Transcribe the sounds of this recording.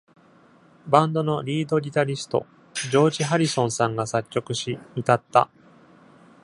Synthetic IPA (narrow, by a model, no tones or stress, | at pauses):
bãnd̪o̞no̞ɾʲiːd̪o̞ɾʲit̪aɾʲisɨ̥t̪o̞̰ | d͡ʑo̞ːʑiɦaɾʲisõ̞ɰ̃sãŋɡasatt͡ɕʲːo̞kɯ̟ɕimʲit̪at̪ːa̰